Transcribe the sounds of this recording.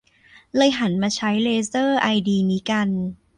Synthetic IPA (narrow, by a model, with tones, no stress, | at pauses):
lɤː˧jɦa˩˦nmaː˧t͡ɕʰa˦˥jleː˧sɤː˥˩ʔa˧jdiː˧niː˦˥ka˧n